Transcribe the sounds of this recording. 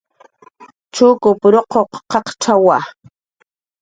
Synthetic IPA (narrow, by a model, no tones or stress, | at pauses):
t͡ʃʊkʊpɾoqʰoqqɑqt͡ʃawa